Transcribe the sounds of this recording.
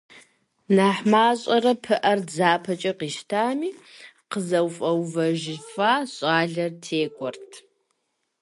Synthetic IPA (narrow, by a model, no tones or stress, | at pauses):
naːħmaːɕʼɐrɐpʰɨʔɐrd͡zaːpʰɐt͡ʃʼɐqiːʃtʰaːmiː | qəzɐwfʼɐwvɐʒɪfaːɕʼaːɮɐrtʰeːɡʷɔrtʰ